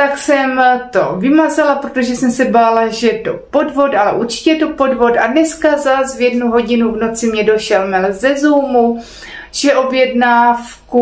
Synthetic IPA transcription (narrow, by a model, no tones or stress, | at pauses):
t̪aksɛmt̪o̞vɪmazalapɾot̪o̞ʒɛsɛmsɛbaːlaʒɛjɛt̪o̞po̞dvo̞talɛʔuɾt͡ʃɪ̥cɛjɛt̪o̞po̞dvo̞t̪adnɛskazasvjɛdnuɦo̞ɟɪnuvno̞t͡sɪmɲɛdo̞ʃɛlmɛlzɛzuːmu | ʒɛʔo̞bjɛdnaːfku